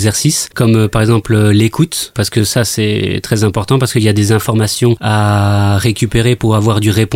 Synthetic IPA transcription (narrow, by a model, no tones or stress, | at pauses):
zɛʁsiskɔmøpaʁɛɡzɑ̃plølekut̪paʁsə̥kəsasɛ̰t̪χɛzɛ̃pɔʁt̪ɑ̃paʁsə̥kəiljad̪ezɛ̃fɔʁmasjɔ̃aʁekʲypeʁepuʁavwaʁd̪yʁep